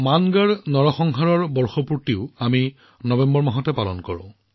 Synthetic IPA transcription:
manɡaɹnɔɹɔxɔŋɦaɹɔɹbɔɹxɔpuɹtiʊami | nɔbɛmbɔɹmaɦɔtɛpalɔ̰nkɔɹɔ̰̃

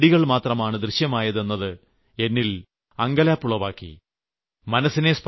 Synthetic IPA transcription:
ɽiɣɐɭmaːt̪rɐmaːɳɨd̪rɨɕjɐmaːjɐðe̞nːɐðɨ | e̞nːil | ɐŋɡɐlaːpːuɭoʋaːkːḭ | mɐnɐsːine̞sp

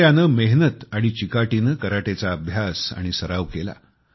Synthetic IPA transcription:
janəːmeɦnət̪aɽ̃it͡ɕikaʈiːnəkəɾaʈet͡saəbʱjasa̰ɽ̃isəɾaʋkela̰

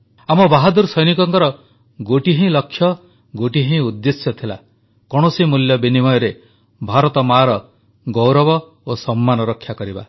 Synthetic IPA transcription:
amɔbaɦɔd̪uɾsɔjnikɔŋkɔɾɔ | ɡoʈiɦẽlɔkʰːjɔ | ɡoʈiɦẽud̪ːesjɔt̪ʰila̰ | kɔɽ̃osimuljɔbinimɔjɔɾe | bʱaɾɔt̪ɔmaɾɔ | ɡɔwɾɔbɔ | osɔmːanɔɾɔkʰːjakɔɾiba̰

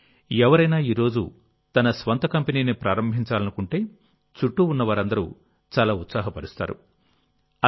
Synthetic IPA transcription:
ɛʋɐɾɐjnaːiːɾo̞ːd͡ʒṵ | t̪ɐnɐsʋɐnt̪ɐkɐmpeniːnipɾaːɾɐmbʱiɲt͡ʃaːlɐnukuɳʈe̞ː | t͡ʃuʈːuunːɐʋaːɾɐnd̪ɐɾṵ | t͡ʃaːlaːut̪saːɦɐpɐɾust̪a̰ːɾṵ | ɐ

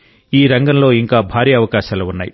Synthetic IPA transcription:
iːɾɐŋɡɐmlo̞ːiŋkaːbʱaːɾiːɐʋɐkaːʃaːluunːa̰ːjḭ

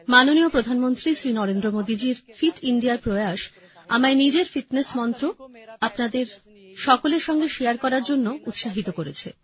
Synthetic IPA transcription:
manoniopɾod̪ʱanmont̪ɾisɾinɔɾend̪ɾomod̪id͡ʑiɾfiʈiɳɖijaɾpɾoeaʃ | a̰maenid͡ʑeɾfiʈnesmɔnt̪ɾoapnad̪eɾ | ʃɔkoleɾʃɔŋɡeʃejaɾkɔɾaɾd͡ʑonːout̪ʃaɦit̪okoɾet͡ɕʰḛ

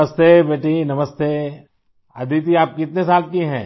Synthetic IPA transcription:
əst̪eːbeːʈʰinɐməst̪eː | ɐ̰d̪ʱit̪̬iaːp̚kiɪt̪nesaːlkiɦɛ̰̃ː

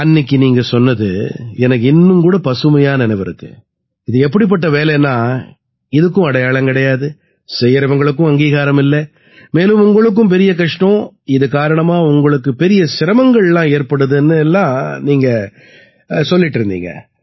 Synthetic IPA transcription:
ɐnːɪkːɯniːŋɡɐsɔnːɐðɯ̰ɛnɐk̬ːɪnːɯmkuːɽɐpɐsɯmɐjaːnɐɛnɐʋɪɾɯkːɯ̰ | ɪðɯɛp̬ːɐɽip̬ːɐʈːɐʋeːlɐnːãː | ɪðɯkːɯ̃ɐɽɐjaːɭɐmkɪɽɐjaːðɯ | sɛjɐɾɐʋɐŋɡɐɭɯk̬ːʊ̃ɐŋɡiːɣaːɾɐmɪlːɛ | meːlɯmʊŋɡɐɭɯk̬ːɯ̃mp̬ɛɾɪjɐk̬ɐʂʈõː | ɪðɯkaːɾɐɳɐmaːʊŋɡɐɭɯkːɯpɛɾɪjɐsɪɾɐmɐŋɡɐɭɛlːãːeːɾpɐɽɯðɯɛnːɯɛlːãːniːŋɡɐ | sɔlːɪʈːɪɾɯnd̪ḭːŋɡɐ̰

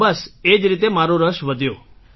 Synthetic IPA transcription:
bəsed͡ʒɾit̪emaɾoɾəʃʋəd̪ʱjo

